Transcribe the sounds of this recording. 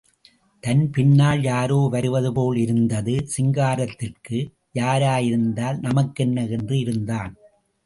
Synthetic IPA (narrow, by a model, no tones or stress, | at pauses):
t̪ɐnpɪnːaːljaːɾoːʋɐɾɯʋɐðɯpoːlɪɾɯnd̪ɐðɯsɪŋɡaːɾɐt̪ːɪrkɯ | jaːɾaːjɪɾɯnd̪aːlnɐmɐkːɛnːɐɛndrɯɪɾɯnd̪aːn